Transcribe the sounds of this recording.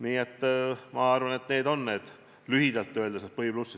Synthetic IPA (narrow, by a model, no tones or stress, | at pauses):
niːet̪ːmɑɑrvɑne̞t̪ne̞ːd̪o̞nːe̞ːd̪̥ | lyhid̪ɑlt̪ːˑøld̪eses̚pɤhib̥lusːis